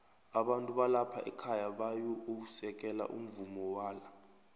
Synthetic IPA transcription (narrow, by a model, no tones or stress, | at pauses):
aɓantʼuɓalapʰaʔɛkʰajaɓajuousɛk̬ɛla̰ʔṵm̩vumɔwaːla